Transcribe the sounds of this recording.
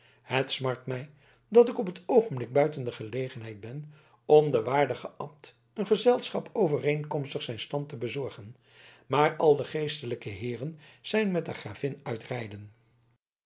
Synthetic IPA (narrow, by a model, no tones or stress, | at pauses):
hətsmɑɹtmɛj | dɑtɪkɔpətowχəmblɪɡ̚bœɥtəndəχəlejχənɦɛj̚bɛn | ɔmdəʋaːɹdəχəʔɑmt | ənχəzɛlˠsχɑpowvərejnkɔmstəχsɛjnstɑntəbəzɔɹχən | maːɹɑlˠdəχejstələkəɦɪːrənz̥ɛjnmɛtəχraːvɪnœɥtrɛjdən